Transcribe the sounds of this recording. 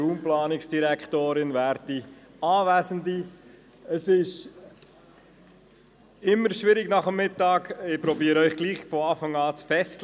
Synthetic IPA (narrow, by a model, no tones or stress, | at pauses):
uːmplɑːnɪksd̥iɾɛkt̪oːɾɪnvæːɾti | ɑːvæːsəndi | əsɪʃ | ɪmːəɾʃʋɪɾɪɡnɑχəmːɪtːɑːɡɪpɾɔbiːəɾœʏχɡ̥liːχfɔɑːfɑŋɑːt͡sfɛs